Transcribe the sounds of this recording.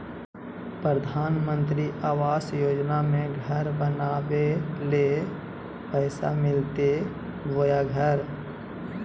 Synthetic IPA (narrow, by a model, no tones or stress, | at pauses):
pɾəd̪ʱaːnmə̃nt̪ɾiʔaːʋaːsjoːd͡ʒnamẽɡʱəɾbənaːwele | pɛːsa̰mɪlt̪e | bojaɡʱəɾ